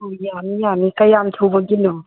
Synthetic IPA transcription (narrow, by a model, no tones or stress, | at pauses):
ojanijanikajamtʰowbaɡinɔ